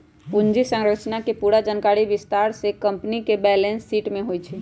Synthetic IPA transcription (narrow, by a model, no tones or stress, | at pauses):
und͡ʒisə̃ŋɾəkt͡ʃnakepuɾad͡ʒankaɽibist̪aɾsekəmpnikebɛlensːiːʈmẽɦojt͡ʃʰi